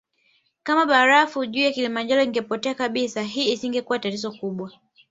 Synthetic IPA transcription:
kamaɓaɾafuʄuːjakilimand͡ʒaɾɔiŋɡɛpɔtɛakaɓisaɦiːisiŋɡɛkuwatatizɔkuɓwa

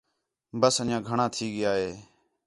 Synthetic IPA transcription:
bəsənjãːɡʱəɳãːt̪ʰiːɡɪjaːɦeː

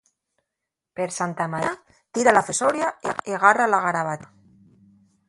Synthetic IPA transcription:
peɾsant̪amaɾa | t̪iɾalafesoɾjaeeɣaralaɣaɾaβat̪a

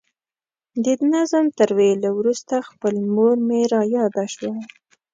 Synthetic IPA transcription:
d̪əd̪nazəmt̪əɾwelawɾust̪axpəlmoɾmeɾɑjɑd̪aʃwa

